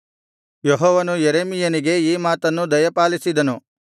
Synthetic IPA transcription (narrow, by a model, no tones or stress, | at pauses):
jɔɦɔːʋɐnujeɾeːmijɐniɡe̞iːmaːt̪ɐnːud̪ɐjɐpaːlisid̪ɐnu